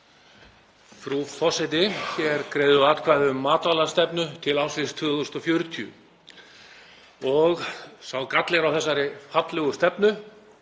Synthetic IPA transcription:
fɾufɔsajt̪̬ɪçɛɾkɾeːjðʏaːt̪kʰvajðʏʏmːaːt̪alḁst̪ɛpnʏt̪ʰɪlaːwsvɪst̪ʰvʏðʏʏst̪ɔfjœɾʏt̪ʰiʏ̰ | ɔɣsawkat̪lɛɾawθɛsːaɾɪfat̪lœɣʏst̪ɛpnʏ

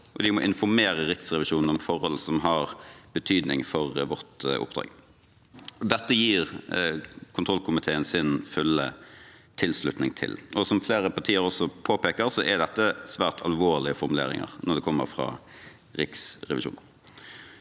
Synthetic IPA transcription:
ʔɔd̪ɪmɔʔɪnfɔɾmeːɾəɾɪksʁɛʋɪʂuːnn̩ɔmfɔɾhɔlːsɔmɦɑʁb̥ət̪ʰyːd̪nɪŋfɔʁʋɔt̪ʊ̰pd̪ɾɑ̰ːɡ | ɔd̪ɛt̪ːəjiːʁ | kʰʊnt̪ʰɾɔlkʰʊmɪt̪ʰeːənsɪnfʉlːə̰t̪ʰɪlslʉt̪nɪŋt̪ʰɪ̰lʔɔsɔmfleːɾəpʰɑʁt̪ʰiːəɾɔsɔpʰoːpeːkəɾsɔʔɛd̪ɛt̪ːəsʋæːʁt̪ʰɑ̰lʋoːʁɭɪəfɔɾmʉlḛːɾɪ̰ŋə̰ʁnɔʁd̪ɛkʰɔmːə̰ɾfɾɑ̰ː | ɾɪksʁɛʋɪ̰ʃṵːnn

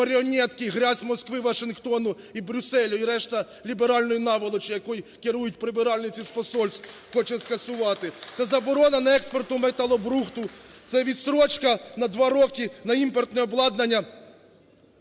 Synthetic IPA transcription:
ɐɾʲeɔnʲɛt̪kɪjɦɾʲazʲmɔskʋɪʋɐʃɪnxt̪ɔnʊ | ibɾʲʊsɛlʲʊiɾɛʃt̪ɐ | lʲibeɾɑlʲnɔjʊnɑʋɐlˠɔt͡ʃɪjɐkɔjikɪɾujʊtʲpɾɪbɪɾɑlʲnɪt͡sʲispɔsɔlʲsʲt̪ | xɔt͡ʃɛskɐsʊʋɑt̪ɪt̪sɛzɐbɔɾɔnɐnɐɛkspɔrt̪ʊmɛt̪ɑlˠɔbɾuxt̪ʊt̪sɛʋʲit̪sɾɔt͡ʃkɐnɐd̪ʋɑɾɔkʲinɐimpɔrt̪nɛɔblˠɑd̪nɐnʲːɐ

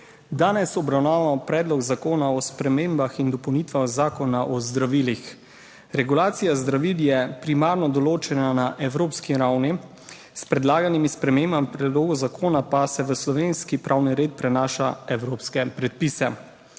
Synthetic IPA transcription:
d̪aːnɛsɔbɾawnaːʋamɔpɾɛːd̪lɔɡzakoːnaɔspɾɛmeːmbaxind̪ɔpɔwnit̪ʋaɣzaːkɔnaʔɔzd̪ɾaʋilix | ɾɛɡulaːt̪sijazd̪ɾaʋiljɛpɾimaːɾnɔd̪ɔloːt͡ʃɛnanaʔɛwɾoːpskiɾawni | spɾɛd̪laːɡanimispɾɛmembamipɾɛd̪loːɡɔzakoːnapasɛʋəslɔʋenskipɾʔawniɾeːt̪̚pɾɛnaːʃaɛwɾoːpskɛpɾɛt̪̚pisɛ

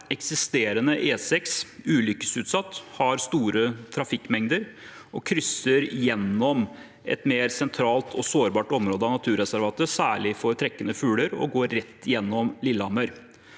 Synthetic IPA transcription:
ɛksɪst̪eːɾənəʔeːsɛksʉːlʏkə̥sʉːt̪sɑt̪ːhɑɾst̪uːɾət̪ʰɾɑfɪkːmɛŋd̪əɾ | ʔɔkʰɾʏsəɾjɛnːɔm | ɛ̰t̪meːɾsɛnt̪ʰɾɑːlt̪ʰɔsoːɾbɑːʈɔmɾoːd̪əɑnɑt̪ʰʉːɾɛsæɾʋɑːt̪əsæːɭɪfɔɾt̪ʰɾɛkːənəfʉːləɾɔ̰ɡoːɾːɛt̪ːɪjɛnːɔmlɪlːəɑmœɾ

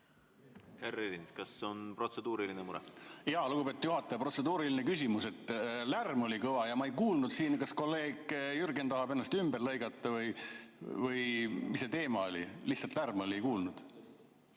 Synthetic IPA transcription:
herelinskɑso̞npro̞t̪sed̪̥uːɾilinemuɾɛ̰jɑluɡub̥pe̞t̪u̥t̪juɦɑt̪ːˑɑjɑpro̞t̪se̞d̪uːɾilinekysʲimuse̞t̪ːˑlærmo̞lʲikɤvɑjɑmɑejkuːlnud̪̥siːnkɑsko̞lːe̞ːɡjyrɡent̪ɑɦɑbe̞nːɑst̪ymberlɤjɡɑt̪ˑːɑvɤj | vɯjmisːet̪e̞ːmɑo̞lʲḭliçhsɑlt̪lærmo̞liejkuːlnud̪̥

